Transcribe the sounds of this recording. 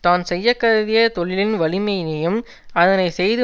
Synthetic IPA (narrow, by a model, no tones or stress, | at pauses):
t̪aːnsɛjːɐkːɐðɐðɪjɐt̪ɔɭɪlɪnʋɐɭɪmɐɪnɪjɯm | ɐðɐnɐɪsɛjðɯ